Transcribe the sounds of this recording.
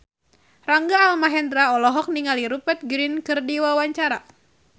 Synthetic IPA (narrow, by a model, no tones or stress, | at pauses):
raŋɡaːlmaɦɛnd̪ɾaɔlɔɦɔk̚niŋaliɾupɛt̪̚ɡɾinkɨrdiwawaɲt͡ʃaɾa